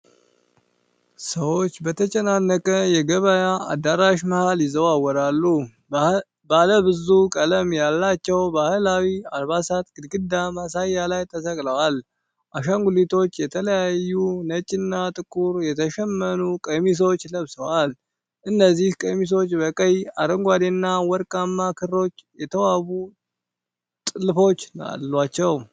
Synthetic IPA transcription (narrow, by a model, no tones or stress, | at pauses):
səwo̞t͡ʃːbət̪ʰət͡ʃʼɛnanːəkʼəjɛɡəβajaad̪ːaɾaʃməhaljɪzːəwawːɔɾalːu | baləbɨzukʼələmjalːat͡ʃːɛwbahɨlawiaɾβasat̪ɡ̥ɨd̪ɡɨd̪amasajːalajt̪ʰəsəkʼləwal | ʔaʃaŋɡulit̪ʰo̞t͡ʃːjɛt̪ʰələjajːunət͡ʃʼːɪnːat̪ʼɨkʼuɾjɛt̪ʰəʃɛmːənukʼəmis̬o̞t͡ʃːləβsəwal | ʔɨnːəzːihkʼəmis̬o̞t͡ʃːbəkʼəjaɾəŋɡʷad̪enːawɔɾkʼamːakʰɨrːo̞t͡ʃːjɛt̪ʰəwaβu | t̪ʼɨlfo̞t͡ʃːna̰lːwat͡ʃːɛw